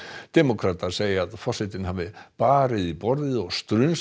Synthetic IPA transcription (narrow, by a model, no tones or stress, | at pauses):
t̪ɛmokʰɾaːt̪aɾ̥seːjɪaðfɔrsɪt̪ɪnɦaːvɪpaːɾɪðipɔɾðɪɔɣst̪ɾʏns